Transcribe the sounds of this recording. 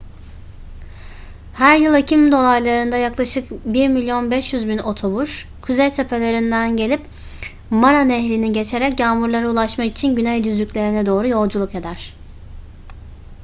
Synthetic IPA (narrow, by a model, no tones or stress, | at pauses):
hæɾjɯlˠecʰimd̪o̞lˠajlˠaɾɯnd̪ajaklˠaʃɯkbiɾmilʲijo̞nbɛʃjyzbino̞t̪ʰo̞buʃ | kʰuzejt̪ʰe̞pʰe̞lʲe̞ɾind̪ænɟe̞lʲip | maɾanɛɦlʲiniɟe̞t͡ʃʰe̞ɾɛcjaːmuɾlˠaɾaulˠaʃmakit͡ʃʰinɟynɛjd̪yzlʲycʲlʲe̞ɾinɛd̪o̞ːɾujo̞lˠd͡ʒulˠuked̪æɾ̥